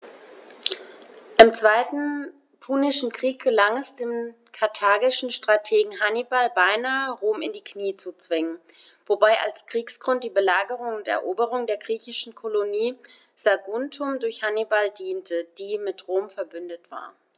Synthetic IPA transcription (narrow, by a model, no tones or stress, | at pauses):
ʔɪmt͡sv̥aɪtn̩ | pʰuːnɪʃn̩kʁ̥iːk̚ɡ̥əlaŋɛsd̥eːm | kʰaɐtʰaːɡɪʃn̩ʃtʁ̥atʰeːɡŋ̩ɦanibalbaɪnaːəʁoːmɪ̰ndiːkʰniːt͡sut͡sv̥ɪŋən | vobaɪʔa̰lskʁ̥iːksɡ̥ʁʊnt̚d̥iːbəlaːɡəʁʊŋʊntɛ̰ɐʔoːbəʁ̞ʊŋdeːɐɡʁiːçɪʃn̩kʰoloniː | z̥aɡʊntʰʊmdʊɐçhanibaldiːntʰəd̥iːmɪtʁoːmfɛɐbʏndətv̥a̰ːɐ